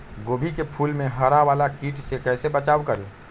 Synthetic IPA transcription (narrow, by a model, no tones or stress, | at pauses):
ɡoːbʱikepʰulmẽɦəɾaʋaːlakiːʈʰsekɛːsebət͡ʃaːʋkəɾḛ